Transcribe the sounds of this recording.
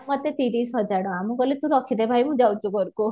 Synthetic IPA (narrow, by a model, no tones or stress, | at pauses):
mɔt̪et̪iɾisɦɔd͡ʒaɽɔamuɡɔlet̪ũɾɔkʰid̪ebʱajmũd͡ʒawt͡ʃukɔɾku